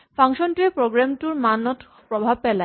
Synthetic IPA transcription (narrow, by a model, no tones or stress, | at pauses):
fʰaŋʃɔnʈuepɾoɡɾamʈuɾmanɔt̪ | pɾɔbʱab̚pɛla